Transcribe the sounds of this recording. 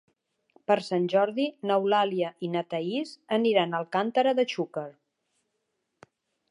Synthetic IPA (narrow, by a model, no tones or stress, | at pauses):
pəɾsanʲʒɔɾðinəwlaliəʔinət̪əizəniɾanəlˠkant̪əɾəðət͡ʃukəɾ